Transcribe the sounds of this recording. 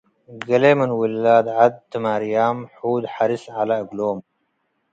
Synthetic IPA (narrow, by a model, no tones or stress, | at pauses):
ɡɐlemɨnwilːaːd̪ʕad̪̚t̪ːɨmaɾijaːmħuːd̪ħaɾisʕalaɨɡloːm